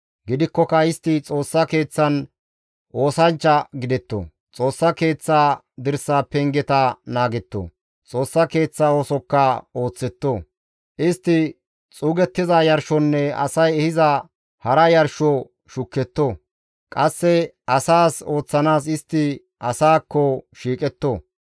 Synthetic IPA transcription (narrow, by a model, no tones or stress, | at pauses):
ɡɪd̪ɪkːɔkɐɪst̪ːɪt͡sʼo̞ːsːɐke̞ːt͡sːɐn | o̞ːsɐnt͡ʃːɐɡɪd̪ɛt̪ːo̰ | t͡sʼo̞ːsːɐke̞ːt͡sːaː | d̪ɪɾsaːpːɛŋɡɛt̪ɐnaːɡɛt̪ːo̰ː | t͡sʼo̞ːsːɐke̞ːt͡sːao̞ːsɔkːɐo̞ːt͡sːɛt̪ːoː | ʔɪst̪ːɪ | t͡sʼuːɡɛt̪ːɪzɐjɐɾʃɔnːɛɐ̰sɐjɛhɪzɐ | hɐɾɐjɐɾʃɔ | ʃʊkːɛt̪ːoː | kʼɐsːɛ | ɐsaːso̞ːt͡sːɐnaːs̬ɪst̪ːɪ | ʔɐsaːkːɔʃiːkʼɛt̪ːoː